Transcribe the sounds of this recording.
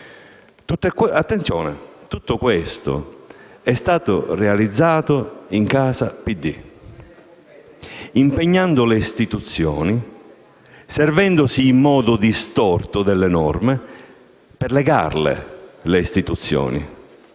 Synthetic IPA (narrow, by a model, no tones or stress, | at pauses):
t̪ut̪ːat̪ːent̪sjɔːnḛt̪ut̪ːʊkwest̪ʊ̰ɛst̪aːt̪ʊ̰realid̪zːaːt̪ʊiŋkaːsapid̪ːi | impeɲːand̪ʊleist̪it̪ut̪sːjɔ̰ːni | sɛrvɛnd̪ʊsiːmːɔːd̪ʊd̪ist̪ɔrt̪ʊd̪ɛlːenɔrmɪ | pɛrlɛɡa̰rlḛleist̪it̪ut̪sːjɔ̰ːnḭ